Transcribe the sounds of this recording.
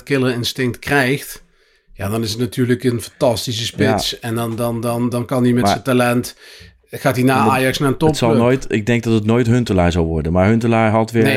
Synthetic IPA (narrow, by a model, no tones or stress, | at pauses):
tkɪləɹɪnstɪŋk̚tkrɛjxt | ja̰ːdɑnɪsətnatʰyːɹləkənfɑntɑstis̬əspɪtsɛndɑndɑndɑndɑnkɑnimɛtsətalɛnt | χaːtinaːaːjɑksnaːəntɔptsɑlˠnoːjtɪɡ̚dɛŋɡ̚dɑtətnoːjtɦɵntəlaːɹzɑlˠʋɔɹdənmaːɹɦɵntəlaːɹɦɑtʋɪːne